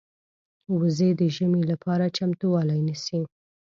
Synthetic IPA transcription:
wəzed̪əʒəmelapʰɑɾat͡ʃamt̪uwɑlajnisi

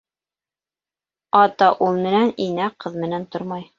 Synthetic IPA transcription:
ɑt̪ɑʔulˠmɘ̆næninæqɤðmɘ̆nænt̪oɾmɑj

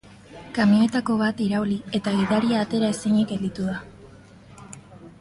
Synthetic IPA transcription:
kamioe̞t̪ako̞β̞at̪iɾaulie̞t̪aɣiðaɾiaːt̪e̞ɾae̞siɲike̞ld̪it̪uða

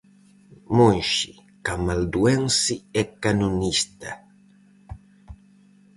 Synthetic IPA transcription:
monʃi | kamald̪uɛnsiɛkanunist̪ɐ

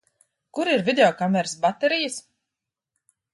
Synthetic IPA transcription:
kuɾiɾvʲid̪ʲeɔkamɛɾsbat̪ɛɾijəs

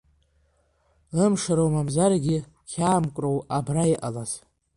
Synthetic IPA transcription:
əmʂaɾowmamzarɡʲɪ | kʲʰaːmkʷʼrowabraiʔa̰laz̥

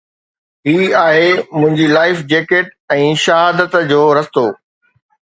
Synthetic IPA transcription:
ɦiːaːɦemʊ̃ɦɪ̃ɲd͡ʑilaːɪfd͡ʑeːkeʈ̚ɛ̃ːʃɐɦaːd̪ət̪d͡ʑoːɾɐst̪oː

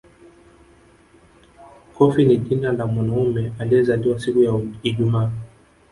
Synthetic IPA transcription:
kɔfiniʄinanamwanaumɛaliɛzaliwasikujaiʄumaː

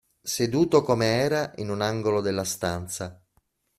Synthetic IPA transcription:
sed̪uːt̪okomeɛːɾaʔinunaŋɡolod̪elːast̪ant̪sa

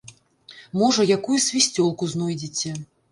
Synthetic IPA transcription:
mɔʐɐjakujusʲvʲisʲt͡sʲɔlˠkuznɔjd͡zʲit͡sʲɛ

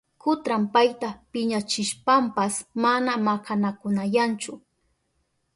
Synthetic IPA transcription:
kʊt̪ɾampajt̪apɪɲat͡ʃɪʃpampasmanamakʰanakʊnajant͡ʃʊ

